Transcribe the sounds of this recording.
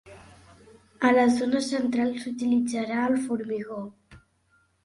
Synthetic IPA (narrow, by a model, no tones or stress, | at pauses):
ələzonəsənt̪ɾalˠsut̪ilid͡zaɾaəlˠfuɾmiɣo